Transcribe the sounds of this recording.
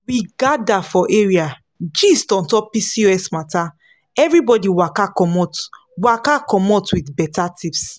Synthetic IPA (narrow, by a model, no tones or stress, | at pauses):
wiɡadafɔʔeɹia | d͡ʒistɔ̃ntɔpisioɛsmata | ɛvɹibɔdiwakakɔmɔt | wakakɔmɔtwitbɛtatips